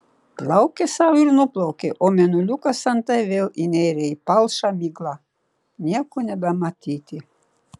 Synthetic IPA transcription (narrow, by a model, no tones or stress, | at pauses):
plˠɑwkesawiɾnuplˠawkeʔomʲenulʲukasant̪ajʋelinʲejɾʲejpalˠʃamiɡlˠa | nʲiɛkonʲɛbæmat̪ʲit̪ʲi